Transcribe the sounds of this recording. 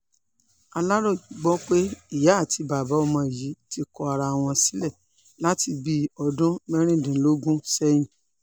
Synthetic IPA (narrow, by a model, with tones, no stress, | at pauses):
a˧la˦ɾɔ˦˨ɡ͡bɔ˦k͡pe˦i˦˨ja˨˦˨ti˧ba˨ba˨˦ɔ˦˧mɔ̃˧˨ji˨˦ti˧kɔ˧a˧ɾa˧˨w̃ɔ̃˧si̥˦lɛ˦˨ | la˦ti˧bi˧ɔ˧dũ˦mɛ˦ɾ̃ĩ˦˨dĩ˨˦lo˦ɡũ˦sɛ˦j̃ĩ˦